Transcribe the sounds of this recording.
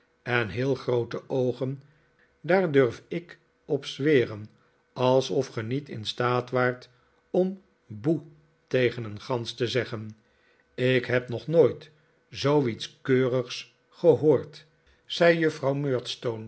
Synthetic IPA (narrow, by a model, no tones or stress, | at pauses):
ɛnɦɪːlˠχrowtəʔowχən | daːɹdøɹfɪk | ɔpsʋɪːrən | ɑlˠsɔfχənitɪ̰nstaːtʋaːɹt | ɔm | bu | tejχənənχɑnstəzɛχən | ɪkɦɛpnɔχnoːjt | zowitskøːrəχs | χəɦoːɹt | z̥ɛjjɵfrɑwmøːɹtstown